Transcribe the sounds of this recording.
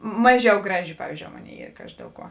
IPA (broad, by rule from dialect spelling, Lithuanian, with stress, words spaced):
ˈmɑːˌʒʲɛʊ ˈɡrɑːˌʒʲɪ ˈpɑːʋʲiːzʲd͡ʒʲoːʊ ˈmoːˌnʲeːɪ ˈiːr ˈkɑːʒʲɪ ˈdʲeːlˠ ˌkuɔ